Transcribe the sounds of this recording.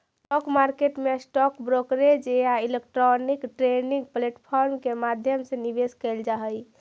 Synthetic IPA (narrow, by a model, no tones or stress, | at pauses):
sʈɔkmaɾkeʈmesʈɔkbɾokɾed͡ʒeailek̚ʈɾɔnikʈɾeniŋɡ̚pleʈpʰɔɾmkemad̪ʱjəmsẽnibeskɛld͡ʒaɦəj